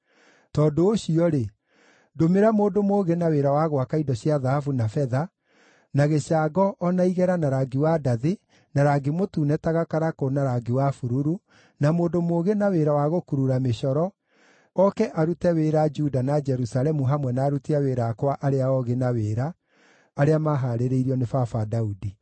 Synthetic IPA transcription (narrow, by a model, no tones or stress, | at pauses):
tɔːdooɕiɔɾe | domeɾamoːdomoːɣenaweɾawaɣwakaidɔɕiaðahafunafɛða | naɣeɕaːɡɔʔːnaiɣɛɾanaɾaɡewadaðe | naɾaɡemotuːnɛtaɣakaɾakonaɾaɡewafuɾuɾu | namoːndomoːɣenaweːɾawaɣokuɾuɾameɕɔɾɔ | ɔkɛʔaɾutɛweɾad͡ʒudanad͡ʒɛɾusalɛmuɦamwɛnaːɾutiaweːɾakwaʔaɾeaɔɣenaweːɾaː | ɾeamaɦaɾeɾeiɾiɔnefafadaudi